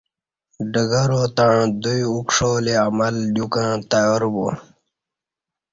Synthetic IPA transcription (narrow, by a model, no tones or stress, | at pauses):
ɖəɡɐɾot̪aɻ̃d̪ujukʂoːleamɐlɗ̪jukãːt̪ɐjoɾbo̰